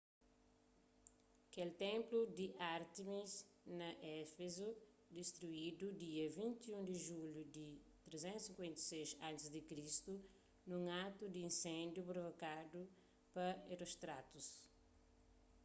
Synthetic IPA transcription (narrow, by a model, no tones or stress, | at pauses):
kelt̪ɛ̃mplud̪iʔaɾt̪imis | nɐʔɛfezu | d̪ist̪ɾuid̪ud̪iɐvĩnt̪iũŋd̪iʒuljud̪it̪ɾezɛ̃nt̪sĩŋkwẽnt̪ɐ̥sezãnt̪izd̪ikɾist̪u | nũŋat̪ud̪iĩnsɛ̃nd̪jupɾovokadu | pɐeɾost̪ɾat̪us